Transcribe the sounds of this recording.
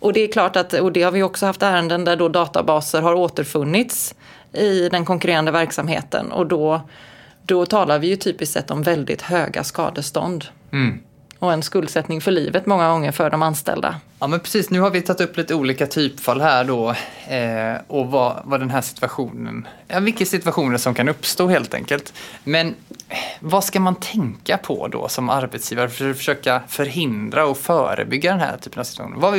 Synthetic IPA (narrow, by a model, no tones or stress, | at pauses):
ʔɔd̪ɛæɾkʰlɑːʈat̪ɔd̪ɛhaɾvɪjɵɔksɔhaft̪æːɾənd̪ənd̪æɖɔd̪ɑːt̪a̰bɑːsəɾɦaɾoːt̪əɾfɵnːɪt̪s | ɪd̪ɛnkʰɔŋkɵɾeːɾand̪əvæɾksamhḛːt̪ə̰nɔ̰d̪ɔ | d̪̥ɔt̪ʰɑːlaɾvɪjɵt̪ʰyːpɪst̪sɛ̰t̪ːɔmvɛld̪ɪ̰t̪høːɡa̰skɑ̰ːd̪əst̪ɔ̰nd̪ | ɔɛnskɵld̪sɛt̪nɪŋfœɭiːvət̪mɔŋːaɡɔŋːəɾfœɖɔmanst̪ɛ̰ld̪a̰ | ɑːmɛnpʰɾɛsiːsnʉ̟ːhaɾvɪjt̪ʰat̪ːɵpːliːt̪əuːliːkat̪ʰyːpfalːhæːɖɔ | ɔva̰vadɛnɦæːʂɪ̥t̪vaɧuːnə̰nɑvɪkːasɪt̪vaɧuːnəʂɔmkʰanɵpːst̪oːheːlt̪ʰɛ̰ŋkəlt̪mɛn | vaskamant̪ʰɛŋkapʰɔ̰d̪ɔ̰sɔmaɾbɛt̪sjiːvaɾəfœøːfœ̥ʂøːkafœɾɦɪnd̪ɾaɔfœːɾə̰bʏɡːad̪ɛnhæ̰ːtʰy̥ːpənavsɪt̪v̥axṵːnənvavɪ